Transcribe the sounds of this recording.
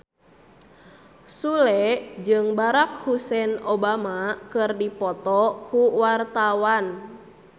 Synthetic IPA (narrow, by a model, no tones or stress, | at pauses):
sulɛd͡ʒɨŋbaɾak̚husɛnobamakɨrdipɔt̪ɔkuwart̪awan